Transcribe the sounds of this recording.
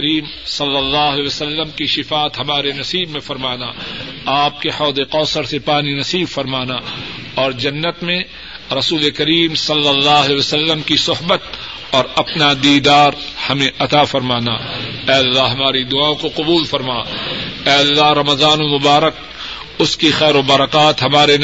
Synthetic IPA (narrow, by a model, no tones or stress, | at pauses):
ɾiːm | sɐlːəlːaːɦlɛʋəsəlːəmkiʃɪfaːt̪ɦɐmaːɾenɐsiːbmẽfɐɾmaːnaaːp̚kehɔːd̪eqɔːsəɾsepaːninɐsiːbfɐɾmaːna | ɔːɾd͡ʒɐnːət̪mẽ | ɾɐsuːlekɐɾiːmsɐlːəlːaːɦlɛsəlːəmkisʊɦbət̪̚ | ɔːɾɐpnad̪iːd̪aːɾhɐmẽʔɐt̪afɐɾmaːna̰ɛːɐlːaɦɐmaːɾid̪ʊaːõkoqʊbuːlfɐɾmaːɛːɐlːaːɦɾɐmɐzaːnomʊbaːɾək̚ | ʊskixɛːɾobaɾəqaːt̪ɦɐmaːɾe